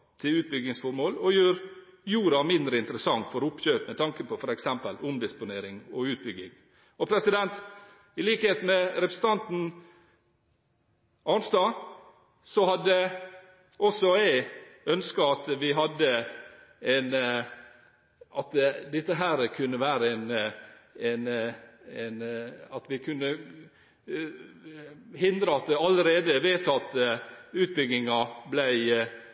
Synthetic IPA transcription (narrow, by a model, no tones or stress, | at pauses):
t̪ʰɪlʉːt̪̚bʏɡnɪŋsfɔɾmoːlɔjøːɾ | juːɾɑmɪnd̪ɾəɪnt̪əɾəsɑŋfɔɾʊpçøːpmɛt̪ʰɑŋkəpʰɔfɔɾɛksɛmpəlʊmd̪ɪspʊneːɾɪŋɔʉːt̪̚bʏɡɪŋ | ɔpʰɾɛsɪd̪ɛnt̪ | ɪliːkəheːt̪mɛɾɛpɾəsn̩t̪ʰɑnt̪n̩ | ɑnst̪ɑ | sɔhɑd̪ə | ɔsɔæɪœnskɑɑt̪ʋɪɦɑd̪ːə | ɛn | ʔɑt̪d̪ɪt̪ːəɦæːɾkʰʉnːəʋæːɾəɛn | ɛn | ɛnɑt̪ʋɪkʰʉnːə | hɪnd̪ɾəɑt̪ɑləɾeːd̪əʋeːt̪ʰɑt̪ːəʉːt̪̚bʏɡnɪŋɑblæɪ